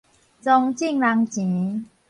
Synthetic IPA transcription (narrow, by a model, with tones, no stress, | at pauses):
t͡so˧ŋt͡ɕi˥˧˨ŋla˧ŋt͡ɕĩ˨˦